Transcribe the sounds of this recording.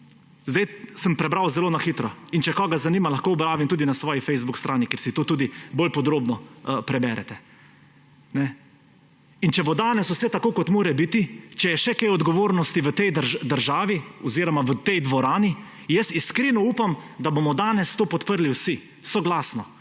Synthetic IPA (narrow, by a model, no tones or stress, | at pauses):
zd̪ɛjsəmpɾɛbɾawzɛloːnaxit̪ɾɔint͡ʃɛkɔːɡazaniːmalaxkoːɔbɾaːʋimt̪uːd̪inasʋɔːjifɛjzbukst̪ɾʔaːnikeɾsit̪oːt̪uːd̪ibolpɔd̪ɾoːbnɔpɾɛbɛɾɛ̰t̪ɛ | nɛ | int͡ʃɛʋɔd̪aːnɛswsɛt̪akoːkɔt̪moːɾɛbit̪it͡ʃɛjɛʃɛkejɔd̪ɡɔʋoːɾnɔst̪iʋət̪ɛjd̪əɾd̪əɾʒaːʋiɔziːɾɔmaʋət̪ɛjd̪ʋɔɾaːni | jəsiskɾinɔuːpamd̪abomɔd̪aːnɛst̪oːpɔt̪pəɾliwsi | sɔɡlaːsnɔ